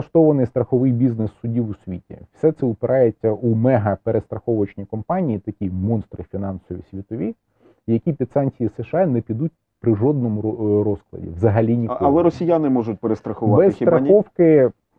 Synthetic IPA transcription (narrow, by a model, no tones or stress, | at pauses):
ɐʃt̪ɔʋɐnɪjst̪ɾɐxɔʋɪjbʲiznɪsːʊdʲiwʊsʲʋʲḭtʲḭwsʲɛt̪sɛʊpɪɾʔɑjɛt͡sʲːɐumɛɦɐpeɾʔest̪ɾɐxɔʋɐt͡ʃnʲikɔmpɑnʲijit̪ɐkʲimɔnst̪ɾɪfʲinɑnsɔʋʲḭsʲʋʲit̪ɔʋʲi | jɐkʲipʲid̪sɑnʲt͡sʲijisɛʃɑnɛpʲid̪utʲ | pɾɪʒɔd̪̚nɔmʊɾɔsklˠɐ̰dʲḭʋzɐɦɐlʲinʲikkɐlˠɛɾɔsʲijanɪmɔʒʊt̚ʲpeɾest̪ɾɐxʊʋɑbɛst̪ɾɐxʲɔwkɪ